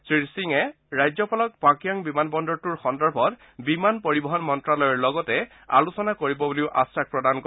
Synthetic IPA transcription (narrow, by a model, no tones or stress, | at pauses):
sɹisiŋɛ | ɹajzɔpalɔk̚pakijɔŋbimanbɔndɔɹtuɹxɔndɔɹbʱɔt | bimanpoɹibɔɦɔnmɔntɹalɔjɔɹlɔɡɔtɛ | a̰lusɔnakoɹibɔbuliʊʔa̰sak̚pɹɔdank